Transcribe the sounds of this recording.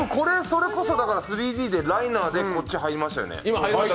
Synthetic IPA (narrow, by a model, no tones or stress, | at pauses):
moko̞ɾe̞so̞ɾe̞ko̞so̞d̪akaɾasɨɾʲiːd̪ʲiːd̪e̞ɾainaːd̪e̞ko̞t͡ɕt͡ɕːiɦaiɾʲimaɕt̪a̰jo̰ḛima